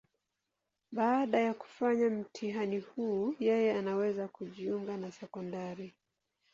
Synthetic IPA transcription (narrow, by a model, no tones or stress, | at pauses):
ɓaːɗajaku̥faɲam̩tʰiɦanihuːjɛjɛanawɛzakuʄiuŋɡanasɛkɔndaɾi